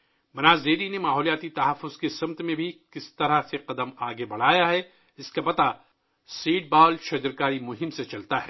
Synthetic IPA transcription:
mɐnaːzd̪eːɾinemaːɦɔːlijaːt̪it̪ɐɦɐfːʊz̥kesɐmt̪mẽbʱikɪst̪ɐɾaseqɐd̪əmaːɡebɐɽ̤aːjaɦɛ | ɪskapɐt̪a | siːʈ̚baːlʃɐd͡ʒəɾkaːɾimʊɦɪmset͡ʃɐlt̪aɦɛː

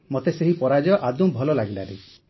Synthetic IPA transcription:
mot̪eseɦipɔɾad͡ʒɔʔad̪ubʱɔlɔlaɡilaɾi

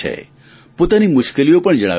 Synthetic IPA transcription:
ḛ | pot̪animʊʃkeliopəɳd͡ʒəɽ̃a̰

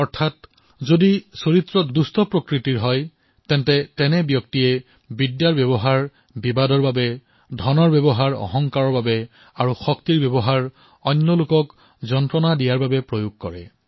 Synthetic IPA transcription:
ɔɹtʰat | zodisoɹitɹɔdustɔpɹokɹitiɹɦɔj | tɛntɛtɛnɛbjɔktijɛ | bidjaɹbjɔbɔɦaɹ | bibadɔɹbabɛ | dʱɔnɔɹbjɛbɔɦaɹɔ̰ɦɔŋkaɹɔɹbabɛ | aɹuxɔktiɹbjɛbɔɦaɹ | ɔnːɔlʊkɔk | zɔntɹɔnadijaɹbabɛpɹojuɡ̚kɔɹɛ

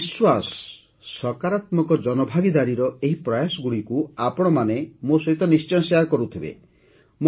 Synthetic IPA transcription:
swasɔ̥ː | ɔkaɾat̪mɔkɔd͡ʒɔnɔbʱaɡid̪aɾiɾɔeɦipɾɔjasɔɡuɽikuapɔɽ̃ɔmanemosɔɦit̪ɔnist͡ʃɔnsaɾkɔɾut̪ʰibḛ | m

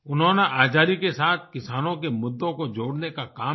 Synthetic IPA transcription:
ʊnɦõːnaʔaːd͡ʒaːɾikesaːt̪ʰkɪsaːnõkemʊd̪ːõkod͡ʒoːɽnekakaː

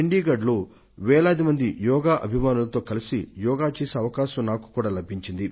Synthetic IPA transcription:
iɳɖiːɡɐɖloː | ʋɛːlaːd̪imɐnd̪ijɔːɡaːʔɐbʱimaːnulɐt̪o̞ːkɐlisijɔːɡaːt͡ʃeːseːɐʋɐkaːʃɐmnaːku̥kuːɽaːlɐbʱiɲt͡ʃind̪i

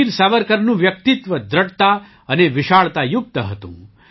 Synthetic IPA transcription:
iɾsaʋəɾkəɾnũʋjək̚t̪ɪt̪ʋəd̪ɾəʈt̪a | əneʋɪʃaɭt̪ajʊk̚t̪əɦət̪ṵ̃

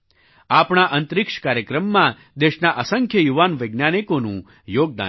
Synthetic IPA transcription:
apɳ̃aʔənt̪ɾɪkʂkaɾjəkɾəmːã | d̪eʃnaʔəsəŋkʰjəjuʋanʋəjɡnanikonṵ̃ | joːɡ̚d̪a̰

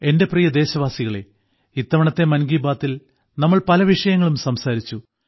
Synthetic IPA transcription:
e̞nde̞prijɐd̪e̞ːɕɐʋaːsiɣɐɭe̞̰ | it̪ːɐʋɐɳɐt̪ːe̞mɐnɡiːbaːt̪ːil | nɐmːɐɭpɐlɐʋiʂɐjɐŋːɐɭumsɐmsaːɾit͡ɕːu

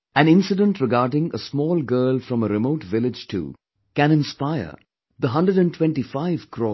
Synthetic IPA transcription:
æ̃nɪ̃nsɪɖə̃nʈɾɪɡaːɾɖɪ̃ŋəsmɔːlɡɜːlfɾʌ̃məɾɪmoʊʈʋɪlɪd͡ʒʈʰṵ | kæ̃nɪ̃nspaɪə̰ | d̪əɦʌ̃ndɾəɖæ̃ntʰwɛ̃nʈifaɪv̥kʰɾɔ

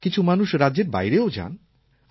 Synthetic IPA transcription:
kit͡ɕʰumanuʃɾadːʑeɾba̰jɾeod͡ʑa̰n

